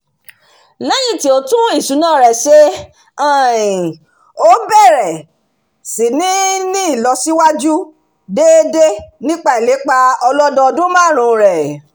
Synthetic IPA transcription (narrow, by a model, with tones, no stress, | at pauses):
lɛ˦j̃ĩ˦˨ti˨˦o˧tũ˦i˦˨ʃu˨˦nãː˦˨ɾɛ˨ʃe˦ | ã˦˨ĩ˨ | o˦bɛ˦˨ɾɛ˨ | si˨nĩ˦nĩ˦i˦˨lɔ˧si˦wa˦d͡ʒu˦ | de˦de˦nĩ˦k͡pa˦e˨le˨˦k͡pa˧ɔ˧lɔ˦dɔ˧ɔ˧dũ˦mãː˦˨ɾ̃ũ˨ɾɛ˨